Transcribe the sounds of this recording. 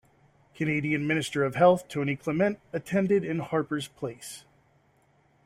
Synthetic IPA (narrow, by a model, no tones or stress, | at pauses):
kʰɨneɪɾiɨ̃nmɪ̃nɨstə˞ʌv̥hɛlˠθtʰõʊ̃ñikʰl̥ɛmɛ̃ntɨtʰɛ̃ndɨɾɪ̃nhɑɹpə˞z̥pʰl̥eɪs